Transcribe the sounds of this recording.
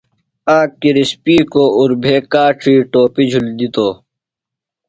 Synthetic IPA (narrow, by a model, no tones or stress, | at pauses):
aːkːiɾispiːkoːuɾbʱeːkaːʈʰiːʈoːpid͡ʑʱuld̪it̪oː